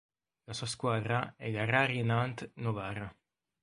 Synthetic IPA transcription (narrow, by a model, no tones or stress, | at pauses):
lasuaskwaːd̪ɾaɛʎaraːɾiɛnant̪novaːra